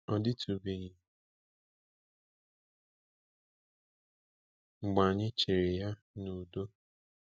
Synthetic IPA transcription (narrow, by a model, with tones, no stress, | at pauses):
ɔ˦dɪ˦tu˨be˨ɲɪ˨ | ŋ͡m̩˨ɡ͡ba˨ɲɪ˦t͡ʃe˨ɾe˨ja˦ | nu˨do˦